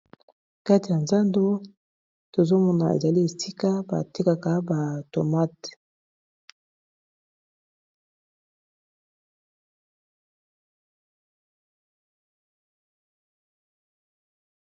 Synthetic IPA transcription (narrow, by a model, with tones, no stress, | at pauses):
ka˦ti˨ja˨nza˦ndo˦ | to˨zo˦mɔ˦na̰˨ḛ˨za˨li˦e˨si˦ka˦ba̰˨ti˦ka˨ka˨˦ba˨to˨ma˦t